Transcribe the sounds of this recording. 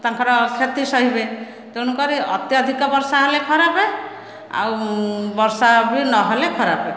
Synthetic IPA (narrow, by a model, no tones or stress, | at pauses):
t̪aŋkʰɔɾɔkʰet̪isɔɦibe | t̪eñukɔɾiɔ̰t̪jɔd̪ʱikɔbɔɾsaɦelekʰɔɾape | a̰wbɔɾsabinɔɦelekʰɔɾape